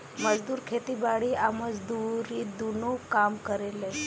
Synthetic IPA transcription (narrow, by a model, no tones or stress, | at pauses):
məd͡zd̪uːɾkʰet̪iːbaɽiʔaməd͡zd̪uɾiːd̪unokamkəɾele